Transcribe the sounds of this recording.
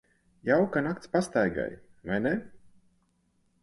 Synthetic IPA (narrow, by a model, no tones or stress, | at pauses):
jawkanak̚t̪spast̪ajɡa̰j | vajnɛ